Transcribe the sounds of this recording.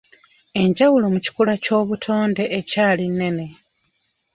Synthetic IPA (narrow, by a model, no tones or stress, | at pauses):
e̞ɲɟawulo̞muci̥kulaco̞ːβutʰo̞ːnde̞ʔːcaːlinːe̞ne̞